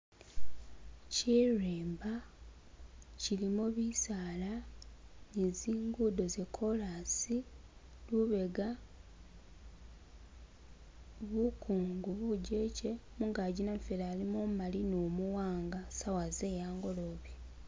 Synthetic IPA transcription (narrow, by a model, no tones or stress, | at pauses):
cireːmba | cilimoβisaːla | ɲiziːŋɡudo̞zekʰo̞lasi | luβe̞ɡa | βukʰuːŋɡuβuɟe̞ːce̞muŋɡaɟinaɱfelaːlimomumalinomuwaːŋɡasawaze̞ːjaːŋɡo̞lo̞ːβie